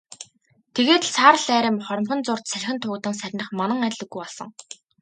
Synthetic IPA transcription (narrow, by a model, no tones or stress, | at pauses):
t̪ʰeɣeːt̪ɮsʰaːr̆ɮæːɾʲɪ̆mχɔɾʲɞ̆mχə̆nt͡sʊr̥t̪sæɮʲxʲɘ̆nt̪ʰʊːɣ̆t̪ə̆ŋsæɾʲnə̆χmanə̆ŋætʲɮɘ̆ɡːujɔɮsɞ̆ŋ